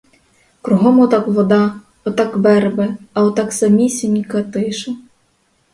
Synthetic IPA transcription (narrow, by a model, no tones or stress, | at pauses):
kɾʊɦɔmɔt̪ɑkʋɔd̪ɑ | ɔt̪ɑkbɛɾbɛɐwt̪ɑksɐmʲisʲinʲikɐt̪ɪʃɐ